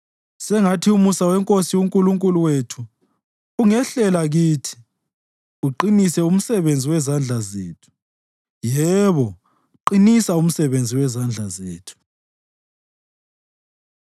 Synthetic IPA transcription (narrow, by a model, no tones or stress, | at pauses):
sɛŋatʰiumusawɛŋkʼosiwuŋkʼuluŋkʼuluwetʰuː | ŋɛɬɛlaɣiːtʰi̥ | uǃinisɛum̩sɛβend͡zʱiwɛzand͡ɮʱazḛːtʰu̥ | jɛβɔ | ǃinisaum̩sɛβend͡zʱiwɛzand͡ɮʱazeːtʰu̥